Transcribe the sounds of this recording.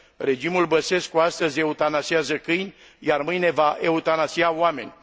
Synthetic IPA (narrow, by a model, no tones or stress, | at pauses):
re̞d͡ʒimulbəse̞skuast̪əzʲe̞ut̪anasiazəkɨjnʲ | jarmɨjne̞vaʔe̞ut̪anasiaoame̞̰nʲ